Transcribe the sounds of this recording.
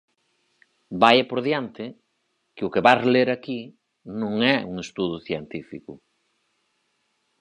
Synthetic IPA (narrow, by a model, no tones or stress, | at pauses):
bajapoɾðjant̪ɪ | kɪʊkeβarleɾaki | nõŋɛṵŋest̪uðuθjent̪ifikʊ